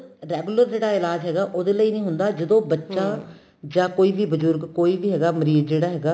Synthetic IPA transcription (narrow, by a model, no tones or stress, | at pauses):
ɾɛːɡuːləɾd͡ʒeːɽaːɪlaːd͡ʒɦɛːɡaːʔod̪eːləiːnĩːɦʊnd̪aːd͡ʒəd̪õːbətːʃaː | d͡ʒãːkoːiːʋiːbəd͡ʒʊɾɡkoːiːʋiːɦɛːɡaːməɾiːzd͡ʒeːɽaːɦɛːɡaː